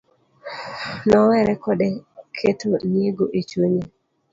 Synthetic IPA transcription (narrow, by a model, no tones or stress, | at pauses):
nɔwɛɾɛkɔdekʰetonjeɡoʔit͡ʃuɲe